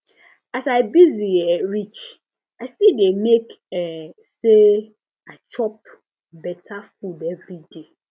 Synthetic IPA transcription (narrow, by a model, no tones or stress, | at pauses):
asaɪbiziɛɹit͡ʃ | aɪsidemek | ɛ | se | at͡ʃʰɔp̚ | bɛtʰafudɛvɹide